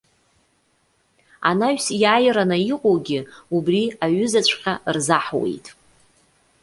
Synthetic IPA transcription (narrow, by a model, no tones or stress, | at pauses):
a̰naɥsjaːjɾanɨiqʼowɡʲɪubriaɥʏzat͡ɕʷʰʼqʲarzaħwḛjtʼ